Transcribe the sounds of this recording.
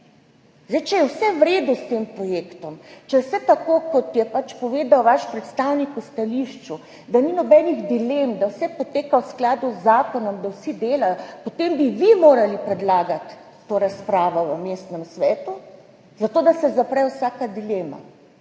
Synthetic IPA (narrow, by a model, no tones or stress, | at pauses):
zdɛjt͡ʃɛjɛwsɛʋɾeːd̪ust̪eːmpɾɔjeːkt̪ɔmt͡ʃɛwsɛt̪akokɔt̪jɛpat͡ʃpɔʋeːd̪awʋaʃpɾɛt̪st̪awnikust̪aliʃt͡ʃu | d̪aninɔbɛniɣd̪ilemd̪awsɛpot̪eːkawsklaːd̪uzːaːkɔnɔmd̪awsid̪eːlajɔpot̪embiʋimoːɾalipɾɛd̪laːɡat̪ː | oːɾaspɾaːʋɔʋəmeːst̪nɛmsʋɛːt̪u | zat̪oːd̪asɛzapɾɛwsaːkad̪ileːma̰